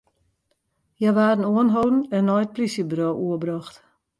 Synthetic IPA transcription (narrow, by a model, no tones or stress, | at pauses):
jɛʋaːdən̩uənɦowdn̩ɛnːɔjt̚plisjəbrowʔuəbrɔxt